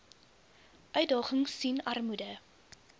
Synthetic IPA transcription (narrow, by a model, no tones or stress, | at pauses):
ʔœɥt̚dɑːχəŋsinɐrmudə